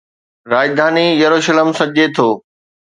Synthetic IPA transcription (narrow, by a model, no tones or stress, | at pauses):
ɾaːd͡ʑd̪ʱaːnijɐɾuʃələmsɐʄet̪ʰoː